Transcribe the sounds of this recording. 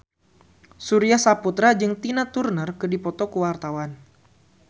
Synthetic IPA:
suɾiahsaput̪ɾad͡ʒɨŋt̪inat̪urnərkɨdipɔt̪ɔkuwart̪awan

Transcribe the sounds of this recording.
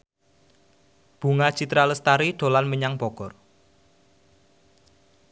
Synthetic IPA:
b̥ṳŋḁt͡ʃit̪ɾaləst̪aɾiɖ̥o̤lanməɲaŋb̥ɔɡ̥ɔr

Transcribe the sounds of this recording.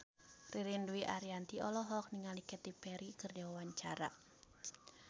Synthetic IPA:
riɾinduiʔa̰ɾiant̪iʔɔlɔɦɔk̚niŋalikɛt̪ipɛɾikɨrdiwawaɲt͡ʃaɾa̰

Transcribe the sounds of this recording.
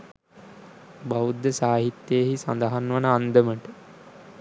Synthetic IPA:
baʋud̪ːəsaːɦit̪ːjeːɦisa̰nd̪əɦanʋanəand̪əməʈə

